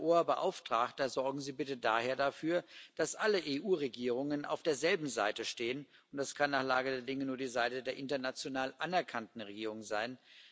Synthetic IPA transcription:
ʔoːɐbəʔa̰ʊftʁ̥aːktɐzɔɐɡŋ̩ziːbɪtədaːheːɐdafyːɐd̥asʔaləʔeːʔuːʁeɡiːʁ̞ʊŋənʔa̰ʊfd̥eːɐzɛlbm̩zaɪtəʃteːən | ʊnt̚d̥askʰanːaːχlaːɡədeːɐdɪŋənuːɐdiːzaɪtədeːɐʔɪntɐnat͡sjonaːlʔanɛɐkʰantn̩ʁeɡiːʁ̞ʊŋzaɪn

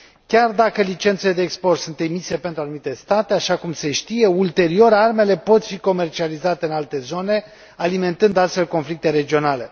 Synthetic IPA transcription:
kʲard̪akəlit͡ʃe̞nt̪sele̞d̪e̞ːkspo̞rt̪sunt̪emise̞pe̞nt̪ɾuanumit̪e̞st̪at̪e̞aʃakumse̞ʃt̪ije̞ult̪e̞ɾio̞ɾarme̞le̞po̞t̪fiko̞me̞rt͡ʃializat̪eɨnalt̪e̞zo̞ne̞ | alime̞nt̪ɨnd̪ast̪fe̞lko̞nflik̚t̪e̞ɾe̞d͡ʒio̞nale̞

